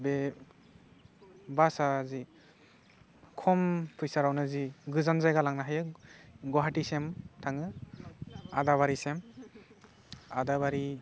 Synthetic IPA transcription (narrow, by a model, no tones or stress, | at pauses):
be | basazi | kʰɔmpʰujsaɾawnɯziɡɯzanzajɡalaŋnaɦajɯɡɔɦatisemtʰaŋɯ | a̰daβaɾisem | a̰dabaɾi